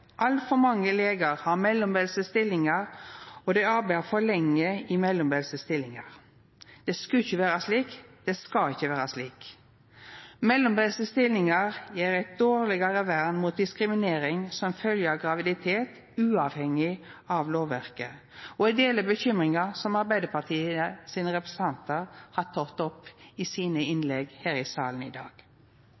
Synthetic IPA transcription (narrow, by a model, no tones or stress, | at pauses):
ʔɑlt̪fɔɾmɑŋːəleːɡəɾhɑɾmɛlːɔmbɛlsəst̪ɪlːɪŋɑɾɔd̪ɛɑɾbæɪʁfɔɭɛŋːəɪmɛlːɔmbɛlsəst̪ɪlːɪŋɑ̰ʁ | d̪̥ɛskʉçəʋæːɾɑsliːkd̪̥ɛskɑɪçːəʋæːɾɑsliːk | mɛlːɔmbɛlsəst̪ɪlːɪŋɑʁjiːɾæɪt̪̚d̪oːʁlɪɡɑɾəʋæɾnmuːt̪̚d̪ɪskɾɪmɪneːɾɪŋsɔmfœljəɑʋɡɾɑʋɪd̪ɪt̪ʰeːt̪ | ʉːɑʋhɛŋɪɑʋloːʋːæɾkə | ɔæɪd̪eːləbəçʏmʁɪŋɑsɔmɑɾbæɪd̪əpɑt̪ʰiːəəsiːnəʁɛpɾɛsəɑnt̪əɾhɑt̪ʰɔt̪ɔpːisiːnəɪnlɛɡhæːɾɪsɑ̰ːlən̩ɪ̰d̪ɑ̰ːɡ̥